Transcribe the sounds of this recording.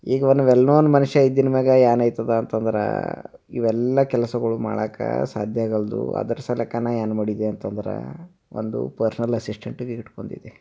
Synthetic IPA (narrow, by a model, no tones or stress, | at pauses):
iːɡɐʋonːuʋɛlnoːnmɐnuʃɐid̪ːinɐmɛːɡɐjaːnɐjt̪ɐd̪ɐːnt̪ɐnd̪ɐɾɐ̰ | iʋɛlːɐkɛlɐsɐɡɐɭuma̰ːɭaːkɐ̰sa̰ːd̪ʱjaːɡɐld̪ṵɐ̰d̪ɐɾɐsɐlɐkːaːnajaːnmɐɽid̪eɐnt̪ɐnd̪ɐɾɐ̰ | ond̪ṵpɐɾsɐnɐlɐsisʈeɳʈuɡeiʈko̞ɳɖḭd̪e